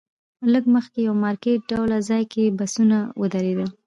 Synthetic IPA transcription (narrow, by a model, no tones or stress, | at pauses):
ləɡməxkejawmɑɾkeʈ̚ɖawlazɑjkebasunawəd̪aɾed̪ə